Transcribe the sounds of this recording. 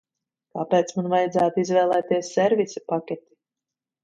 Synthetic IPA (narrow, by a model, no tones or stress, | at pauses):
kapeːt̪smanvajd̪zæːt̪izvɛːlˠɛːt̪iɛsːɛɾvʲisipakʲet̪i̥